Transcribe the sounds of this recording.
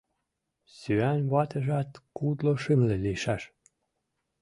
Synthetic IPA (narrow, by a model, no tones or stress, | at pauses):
syænβɑt̪ə̆ʒæt̪kud̪loʃɘmleliʃæʃ